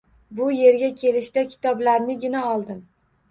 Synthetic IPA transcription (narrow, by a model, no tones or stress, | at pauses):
bʊje̞ɾɡʲakʲʰe̞lɪʃt̪akʲʰɪ̥t̪ʰɒblaɾnɪɡʲɪnaɒlˠd̪ɪm